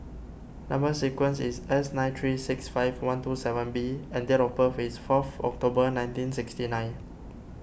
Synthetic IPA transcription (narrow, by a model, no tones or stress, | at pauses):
nãmbəsikwə̃nsisɛsnãɪ̃ntʰɹisɪksfaɪvwãntusɛvə̃nbiɛ̃ndɛɹɔpəfisfɔfɔ̰k̚tobənãj̃ntĩnsɪkstinãj̃n